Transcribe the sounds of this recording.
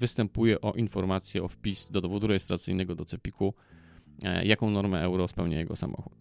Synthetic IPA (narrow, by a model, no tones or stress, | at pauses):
vɘst̪ɛmpujɛʔɔʔinfɔɾmat̪sʲjɛɔfpʲizd̪ɔd̪ɔvɔd̪uɾɛjɛst̪ɾat̪sɘjnɛɡɔd̪ɔt̪sɛpʲiku | jakɔ̃w̃nɔɾmɛɛwɾɔspɛwɲajɛɡɔsa̰mʔɔ̰xut̪